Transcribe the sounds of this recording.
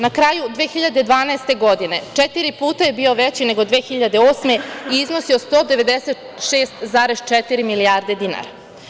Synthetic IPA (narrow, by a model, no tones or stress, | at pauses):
nakɾajud̪ʋeːxiʎad̪e̞d̪ʋaːnaest̪e̞ɡo̞d̪ine̞t͡ʂet̪iɾipuːt̪aje̞bio̞ʋet͡ɕine̞ɡo̞d̪ʋeːxiʎad̪eoːsme̞iiznosio̞st̪o̞ːd̪e̞ʋe̞d̪ese̞t̪ | ʃe̞ːst̪zaːɾeʃt͡ʃet̪iɾimilijaːɾd̪e̞d̪ina̰ɾa